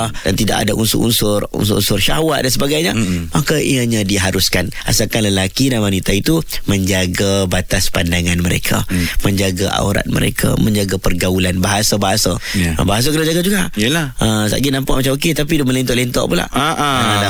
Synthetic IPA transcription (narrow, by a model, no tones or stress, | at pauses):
dant̪idaʔa̰daʔṵnsṵʔṵnsʊrṵnsṵʔunsʊrʃahwaʔ̪̚dansəbaɡajɲamakaḭaɲãdiɦaɾuskanʔa̰sakanləlakidanwanit̪ait̪uməɲd͡ʒaɡabat̪aspandaŋanməɾḛkʰa̰mə̃ɲd͡ʒaɡaʔa̰uɾa̰t̪̚mə̰ɾḛkʰa̰mə̃ɲd͡ʒaɡapərɡaulanbaɦasabaɦasa̰baɦas̬akənad͡ʒaɡad͡ʒuɡajlaʔəsa̰ʔɡinãmpaʔ̚mat͡ʃamoket̪apidʊməlɛnt̪ɔʔlɛnt̪ɔ̰ʔpula̰ʔʔaala